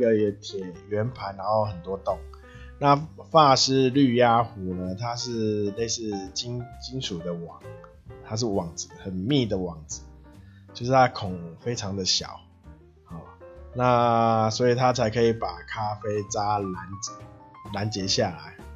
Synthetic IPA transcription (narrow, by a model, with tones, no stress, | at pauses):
ə˨ɛ˧˦t̪ʰjɛ˨˩ɥɛ˧˦npʰa˧˥ɪna˧˦nxo˥˩ʊxə˨˩nt̪wɔ˦t̪ʊ˥˨˩ŋ | na˥˨fa˥˧ʂɻ̩˥ly˥˧ja˥˦xu˨˥nə˧t̪ʰa˦ʂɻ̩˥˧le˥˧ɪsɻ̩˥˩t͡ɕi˦nt͡ɕi˦nʂu˨˩d̪ə˨˦wɑ˨˩ŋ | t̪ʰa˦ʂ̬ɻ̩˥˩wɑ˨˩ŋd͡zɹ̩˩˦xə˨˩nmi˥˩d̪ə˨wɑ˨˩ŋd͡zɹ̩˨˦ | t͡ɕjo˥˧ʂɻ̩˥˩t̪ʰa˥kʰʊ˨˩ŋfe˥ɪʈ͡ʂʰɑ˧˦ŋd̪ə˨ɕja̰˨˩˦ʊ | hɔ˨˩na˥˧˨swɔ˧˥i˨˩t̪ʰa˦t͡sʰa˧˥ɪkʰə˧˦˥i˨˩pa˨˩kʰa˦fe˥ɪt͡sa˦la˧˦n̩˨˦la˨˦nt͡ɕjɛ˨˧˥ɕja˥˩la̰˨˦ɪ